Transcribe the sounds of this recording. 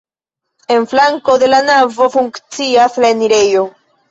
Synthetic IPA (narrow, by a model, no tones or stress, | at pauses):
e̞nflaŋko̞de̞lanavo̞fuŋkt͡siaslaeniɾe̞jo̞